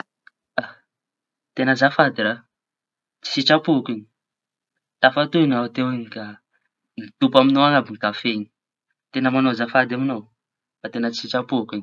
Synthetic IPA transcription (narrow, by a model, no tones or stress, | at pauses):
a | t̪enəzafad̪iɾa | t͡si̥sit͡ʃapukiɲi | t̪afat̪unat̪ewinika | nit̪upaminoaŋabiŋkafeɲi̥ | t̪enəmanozafad̪aminow | fat̪enət͡si̥sit͡ʃapukin